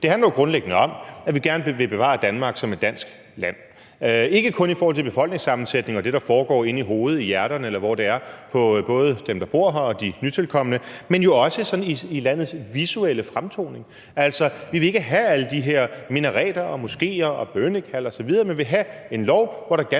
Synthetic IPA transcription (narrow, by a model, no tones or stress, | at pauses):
d̥e̝hænlɐjoɡ̥ʁɔ̽nleɡ̥ənəɒ̽mæʋiɡ̥æɐnəʋe̝b̥e̝ʋɑ̰̈ːd̥ænmɑ̈ːɡ̥sɒ̽med̥æn̰sɡ̥ | læn̰ | e̝ɡ̥əkʰɔ̽nifɔːhɒl̰t͡sʰeb̥e̝fɒl̰ɡ̥ne̝ŋsɑ̈mn̩sed̥ne̝ŋɒ̽d̥e̝ɾ̥ɑ̈fɒːɡ̥ɒ̰ːe̝niɦo̝ːð̞̩ˠijæɐɾ̥ɐnəelɐʋɒɾ̥e̝æɐpʰɒ̽b̥ɔ̽ːð̞̩ˠəd̥emd̥ɑ̈b̥o̝ɐ̰ɦɑ̈ɒ̽d̥inyt͡sʰe̝lkʰɒ̽mənəmenjo̝ɒ̽səsɒ̽n̩iilæn̰ð̞̩ˠsʋisueləfʁamt͡sʰo̝̰ːne̝ŋ | æl̰sɒ̽ʋiʋe̝e̝ɡ̥əɦææləd̥iɦeɐ̰minɐʁɛ̰ːd̥ɐɒ̽mo̝sɡ̥e̝̰ːɐɒ̽b̥ønəkʰæl̰ɒsɒ̽ʋið̞ˠɐːmenʋe̝ɦæe̝nlɒʊʋɒɾ̥ɑ̈ɡ̥